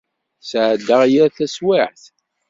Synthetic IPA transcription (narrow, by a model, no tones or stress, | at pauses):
sʕd̪ːəʁjæθæswɪʕθ